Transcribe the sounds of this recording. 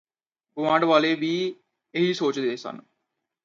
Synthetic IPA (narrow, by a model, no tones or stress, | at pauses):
ɡʊʋãːɳɖʋaːleːʋiː | eɦiːsoːt͡ʃd̪eːsə̰n